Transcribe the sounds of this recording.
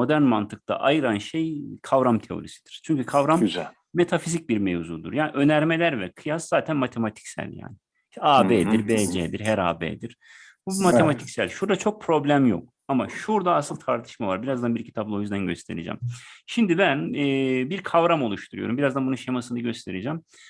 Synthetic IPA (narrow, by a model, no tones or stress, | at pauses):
mo̞d̪æɾnmant̪ʰɯk̚t̪ʰa̰ʔajɯɾanʃejkʰavɾamt̪ʰe̞o̞̰ɾisi̥d̪̥iɾ̥t͡ʃʰyɲcykʰavɾamyz | me̞t̪ʰafizic̚biɾmevzuːd̪uɾjaːniʔø̞næɾme̞lʲæɾvɛkʰɯjaszaːt̪ʰænmat̪ʰe̞mat̪ʰi̥csæ̰lʲja̰ːnɪ | aːbeːd̪iɾbeːd͡ʒeːd̪iɾɦæɾa̰ːbḛːd̪iɾ̥ | bumat̪ʰemat̪ʰi̥csælʲʃuɾd̪at͡ʃʰo̞k̚pʰɾo̞blʲæmjo̰k̚ | amaʃuɾd̪aːsɯlˠt̪ʰaɾt̪ʰɯ̥ʃmavaɾbiɾazd̪anbiɾcʰit̪ʰaplˠao̞jyzd̪ænɟøst̪ʰe̞̰ɾed͡ʒɛ̰mʃimd̪ibænɛːbiɾkʰavɾamo̞lˠuʃt̪ʰuɾujo̞ɾumbiɾazd̪anbununʃemasɯnɯɟøst̪ʰe̞ɾed͡ʒɛm